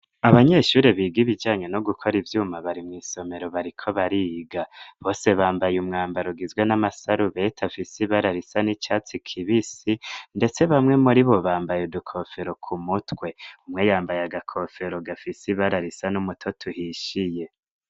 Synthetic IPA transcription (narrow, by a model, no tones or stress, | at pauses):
aβaɲe̞ʃuːɾeβiːɡiβid͡ʒaːɲe̞no̞ɡukʰo̞ɾivjuːmaβaɾimŋiːso̞me̞ɾo̞βaɾikʰo̞βaɾiɡaβo̞ːse̞βaːmbajumŋaːmbaɾuɡizɡwenamasaɾuβe̞tʰafisiβaɾaɾisanit͡ʃaːt͡sikʰiβisinde̞t͡se̞βamŋe̞muɾiβo̞βaːmbajudukʰofe̞ɾo̞kʰumutwe̞umŋejaːmbajaɡakʰofe̞ɾoɡafisiβaɾaɾisanumutʰo̞tʰuhiʃije